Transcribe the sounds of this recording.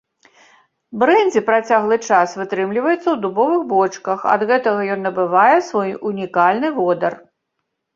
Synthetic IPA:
bɾɛnʲd͡zʲipɾat͡sʲaɣlˠɨt͡ʂasvɨt̪ɾɨmlʲivɐjɛt̪sːɐwd̪ubɔvɨɣbɔt͡ʂkɐxɐ̰d̪ɣɛt̪ɐɣɐjɔnːɐbɨvajɛsvɔjunʲikalʲnɨvɔd̪ɐr

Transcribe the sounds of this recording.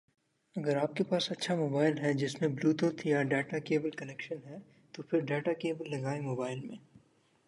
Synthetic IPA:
ɐɡəɾaːp̚kepaːsɐtːʃʰamoːbaːɪlɦɛd͡ʒɪsmẽbluːt̪oːt̪ʰjaɖɛːʈakeːbəlkɐnɛkʃənɦɛ | t̪opʰɪɾɖɛːʈakeːbəlːɐɡaːemoːbaːɪlmḛ̃ː

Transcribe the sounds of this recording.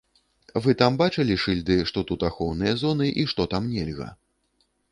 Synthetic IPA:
vɨt̪ambat͡ʂɨlʲiʂɨlʲd̪ɨʂt̪ɔt̪ut̪axɔwnɨjɐzɔnɨʔiʂt̪ɔt̪amnʲɛlʲɣɐ̰

